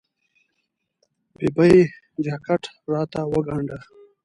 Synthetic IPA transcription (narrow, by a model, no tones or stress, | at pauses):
bibai | d͡ʒakaʈ | ɾɑːt̪awəɡaɳɖə